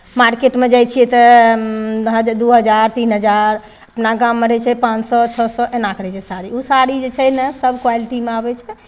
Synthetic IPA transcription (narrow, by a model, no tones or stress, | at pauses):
maɾkeʈmed͡ʒajt͡ʃʰijɛt̪ɔ | ɦəd͡ʒd̪uɦəd͡ʒaɾt̪inɦəd͡ʒaɾ | əpnaɡamːeɾɛt͡ʃʰɛpãt͡ʃsɔt͡ʃʰɔsɔʔenakʰɾɛt͡ʃʰɛsaɾiusaɾid͡ʒet͡ʃʰɛnəsəbʱkwaliʈimeabɛt͡ʃʰɛ